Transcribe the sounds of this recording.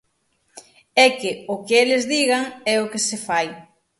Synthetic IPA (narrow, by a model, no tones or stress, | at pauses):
ɛkɪʊkɪelɪzðiɣaŋɛʊkɪsɪfaj